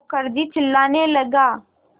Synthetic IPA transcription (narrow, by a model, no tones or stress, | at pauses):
kəɾd̪iːt͡ʃʰɪlːaːneːləɡaː